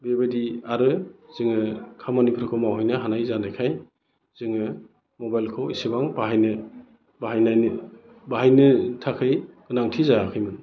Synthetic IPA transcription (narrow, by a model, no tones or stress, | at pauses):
bebadiaɾɯz̥ɯŋɯkʰamanipʰɾɯkʰɯmawɦɔjnɯɦanajzanajkʰaj | z̥ɯŋɯ | mɔbajlkʰɔwisibaŋbaɦajnɯ | baɦajnajn | baɦajnɯtʰakʰɯjɡ̥ɯnaŋtʰizakʰɯjmɯn